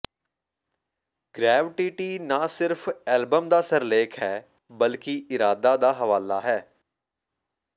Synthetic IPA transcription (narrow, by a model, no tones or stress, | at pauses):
ɡ̥ɾɛːʋɪʈiʈiːnaːsɪɾfɛːlbəmd̪aːsəɾleːkʰɦɛː | bəlkiɪɾaːd̪aːd̪aːɦəʋaːlaːɦɛː